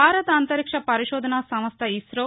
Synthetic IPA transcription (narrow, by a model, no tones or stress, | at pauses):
aːɾɐt̪ɐnt̪ɐɾikʂɐpɐɾiʃɔːd̪ʱɐnaːsɐmɐst̪ʰɐisɾoː